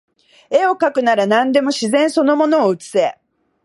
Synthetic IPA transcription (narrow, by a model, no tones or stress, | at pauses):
eo̞kakɯ̟naɾanãnd̪e̞mo̞ɕizẽ̞ɰ̃so̞no̞mo̞no̞ːɯ̟t͡sɨ̥se̞